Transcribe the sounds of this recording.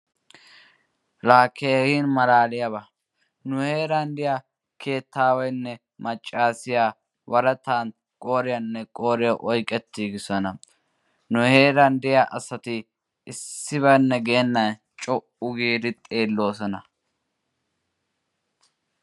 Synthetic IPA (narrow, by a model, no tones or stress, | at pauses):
ɾaːkʰːeːhiːnmɐɾaːlɪjɐβɐ | nʊhe̞ːɾɐnd̪ɪja | kʰe̞ːt̪ʰːaːwɔjnːɛ | mɐt͡ʃʼːaːsɪjaː | wɐɾɐt̪aːn | kʼo̞ːɾɪjɐnːɛkʼo̞ːɾɪjɐʔɔjkʼːɛt̪ːiːɡɪsɔnɐ | nʊhe̞ːɾɐnd̪ɪjaːʔɐsɐt̪ɪ | ɪsːɪβɐnːɛɡeːnːɐn | t͡ʃʼɔʔʊɡiːd̪ɪt̪ʼe̞ːlːo̞ːsɔnɐ